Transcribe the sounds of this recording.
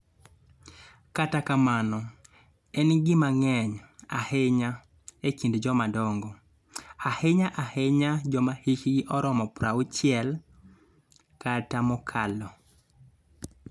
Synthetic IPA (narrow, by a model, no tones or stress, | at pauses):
katakamanɔ | ɛnɡɪmaŋɛɲa̰heɲa | ekindd͡ʒɔmadɔŋɡɔ | aheɲaʔaheɲad͡ʒɔmahikɡɪʔɔɾɔmɔpɾaʊt͡ʃjɪɛl | katamɔkʰalɔ